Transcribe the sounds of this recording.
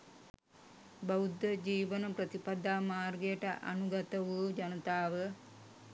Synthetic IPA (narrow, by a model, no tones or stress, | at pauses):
baud̪ːəd͡ʒiːʋənəpɾət̪ipad̪aːmaːrɡejəʈə̰ʔa̰nuɡat̪əʋud͡ʒɐnət̪aːʋə